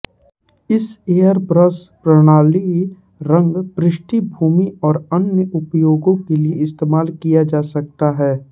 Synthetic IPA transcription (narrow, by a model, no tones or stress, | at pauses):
ɪseːjəɾbɾəs | pɾəɽ̃aːli | ɾə̃ŋɡpɾɪʃʈibʱuːmiɔːɾənjəʔʊpjoːɡõkelieɪst̪eːmaːlkijad͡ʒaːsɐk̚t̪aɦɛː